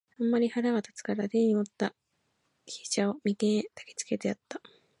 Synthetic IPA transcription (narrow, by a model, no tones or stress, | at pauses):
ãmːaɾʲihaɾaβat̪ḁt͡sɨ̥kaɾad̪ẽɲiot̪ːa | kʲi̥t͡ɕaomʲit̪ẽt̪ḁke̥t͡sɨ̥ke̞t̪ejat̪ːa